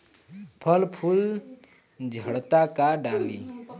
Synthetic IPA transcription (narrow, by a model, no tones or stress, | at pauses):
pʰəlpʰul | d͡ʒʱəɽt̪akaɖali